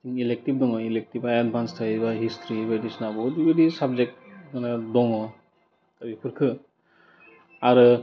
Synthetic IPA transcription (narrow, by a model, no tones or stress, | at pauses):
tiŋilek̚tib̚dɔŋɔilek̚tibaad̚bʱanstʰaibaɦistʰɾibadisnabɔdibɯdisab̚zek̚t̚manadɔŋɔ | kabipʰɯɾkʰɯ | aɾɯ